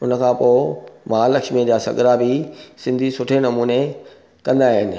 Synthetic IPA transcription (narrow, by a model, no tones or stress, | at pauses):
ʊnəkʰãːpoːmãːlɐkʃmẽd͡ʑaːsɐ̰ɠɾabɪsɪ̃nd̪ʱisʊʈʰenɐmuːne | kɐ̃nd̪aːɦɪnɪ̆